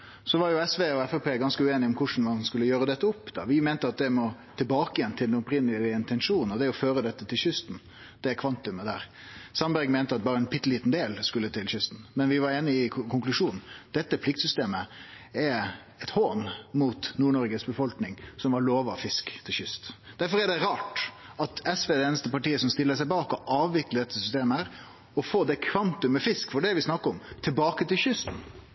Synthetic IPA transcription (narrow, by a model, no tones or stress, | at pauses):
sɔʋɑɾjʊɛsʋeːɔɛfɛpʰeːɡɑnskəʉeːnɪɔmkʰʊʂn̩mɑnskʉlːəjøːɾəd̪ɛt̪ːəɔpːd̪ɑ̰ʋɪmeːnt̪əɑt̪̚d̪ɛmɔt̪ʰɪlbɑːkəjɛnt̪ʰɪld̪ɛnɔpɾɪnːəlɪəɪnt̪ɛnʂuːnn̩ɔd̪ɛæɔføːɾəd̪ɛt̪ːət̪ʰɪlɕʏst̪n̩ | d̪̥ɛkʰʋɑnt̪ʉməd̪æ̰ːɾ | sɑnbæɾɡmeːnt̪əɑt̪̚bɑːɾəɛnpʰɪt̪ːliːt̪n̩d̪eːlskʉlːət̪ʰɪlɕʏst̪n̩mɛnʋɪʋɑɾeːnəɪkʰʊŋklʉʂuːnn̩d̪̥ɛt̪ːəpʰlɪk̚t̪sʏst̪eːmə | ɛ | ɛt̪hoːnmuːt̪nuːɳɔɾɡəsbəfɔlknɪŋsɔmʋɑɾɭoːʋɑfɪskt̪ʰɪlçʏst̪d̪̥æɾfɔɾɛɖɛɾɑːʈɑt̪ɛsʋeːd̪ɛeːnəst̪əpɑʈiːəsɔmst̪ɪlːəsæɪbɑːkɔʔɑːʋʋɪkləd̪ɛt̪ːəsʏst̪eːməæːɾ | ɔfoːd̪ɛkʰʋɑnt̪ʉmːɛfɪskfɔɖɛʋɪsnɑkːəɾɔmt̪ʰɪlbɑːkət̪ɪlɕʏst̪n̩